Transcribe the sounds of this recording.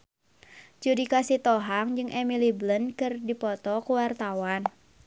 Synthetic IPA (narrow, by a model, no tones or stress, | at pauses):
d͡ʒudikasit̪ɔɦaŋd͡ʒɨŋʔɛmiliblənkɨrdipɔt̪ɔkuwart̪awan